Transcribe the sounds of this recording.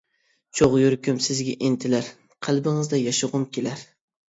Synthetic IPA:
t͡ʃʰoʁjyɾkʲymsɪzɡʲaʔint̪ʰɪlæɾ | qʰælˠbɪŋɨzd̪ɛjɑʃɨʁʊmkʲʰelæɾ

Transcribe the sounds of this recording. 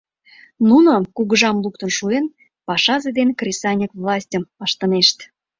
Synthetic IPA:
nunokuɣəʒɑmluk̚t̪ənʃuen | pɑʃɑzed̪enkrʲesɑnʲəkvlˠɑsʲtʲəməʃt̪əneʃt̪

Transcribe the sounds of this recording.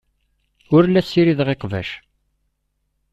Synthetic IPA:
ʊɾlːæsːiɾiðʁeqvæ̰ʃ

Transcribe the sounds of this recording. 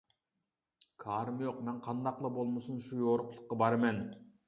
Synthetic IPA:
kʰɑːɾɨmjoqmɛnqʰɑnd̪ɑqlˠɑbolˠmusunʃujoːɾʊqʰlˠʊqːɑbɑɾmɛn

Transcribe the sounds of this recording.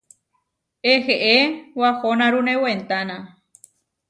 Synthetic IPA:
eheʔewahonãɾũnẽwent̪anã

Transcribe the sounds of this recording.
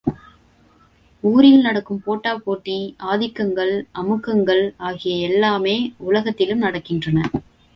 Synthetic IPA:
uːɾɪjɪlnɐɽɐkːɯmpoːʈːaːpoːʈːiaːðɪkːɐŋɡɐɭʔɐmɯkːɐŋɡɐɭaːɣɪjɐɛlːaːmeːʊlɐɣɐt̪ːɪlɯmnɐɽɐkːɪndrɐnɐ

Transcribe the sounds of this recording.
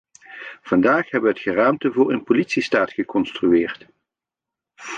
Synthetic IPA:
v̥ɑndaːχɦɛbəʋəɦətχəraːmtəvʊːɹənpolitsistaːtχəkɔnstryɪːrt

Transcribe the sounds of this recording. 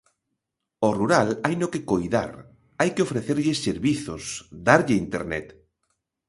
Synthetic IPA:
oruɾalajnokekojða̰ɾ | ajkɪofɾeθeɾʎɪseɾβiθo̰sd̪aɾʎɪint̪ḛɾnɛ̰t̪

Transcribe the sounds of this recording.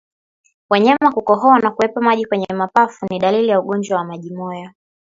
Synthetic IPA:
waɲamakukɔɦɔanakuwɛpamaʄikwɛɲɛɛmapafuniɗalilijauɠɔnd͡ʒwawamaʄimɔja

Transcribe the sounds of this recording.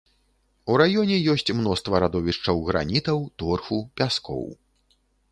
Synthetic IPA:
uɾajɔnʲɛjɔsʲt͡sʲmnɔst̪vɐɾad̪ɔvʲiʂt͡ʂɐwɣɾa̰nʲit̪ɐwt̪ɔrxupʲaskɔ̰w

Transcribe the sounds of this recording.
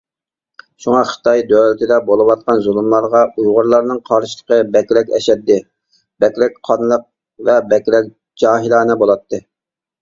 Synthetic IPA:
ʃuŋɑχə̥t̪ʰɑjd̪øwlɪt̪ʰɪd̪ɛbolˠɨwɑt̪̚qɑnzulˠumlˠɑɾʁɑujʁʊɾlˠɑɾnɨŋqʰɑɾʃi̥lˠə̥qəbɛkʲilɛkʲɛ̰ʃɛt̪ːɪ | b̥ɛkʲlɛk̚ʲqʰɑnlˠəq̚ | vɛbɛkʲlɛk̚ʲ | d͡ʒɑːɦilˠɑːnɨbolˠɑt̪ːɨ

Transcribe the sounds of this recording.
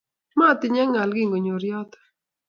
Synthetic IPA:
mãːt̪iɲaŋalɡiŋɡʊɲoɾjaːt̪

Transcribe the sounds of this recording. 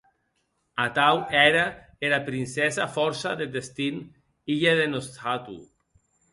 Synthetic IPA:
at̪awɛɾa | eɾapɾinsɛzafɔɾsaðed̪est̪in | iʎaðenost̪at̪ṵ

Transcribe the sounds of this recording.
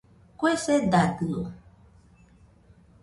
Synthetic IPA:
kwesɛdadɨo

